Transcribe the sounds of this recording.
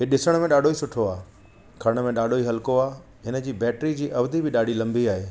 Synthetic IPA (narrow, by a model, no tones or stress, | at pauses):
ɦɪɗɪsəɽ̃mẽɗaːɖʱoisʊʈʰoaː | kʰɐɾɽ̃̆mẽɗaːɖʱoiɦɐlkoaː | ɦɪnə̆d͡ʑiːbɛːʈɾid͡ʑiːʔɐʋd̪ibɪɗaːɖʱilɐ̃mbiaːɦeː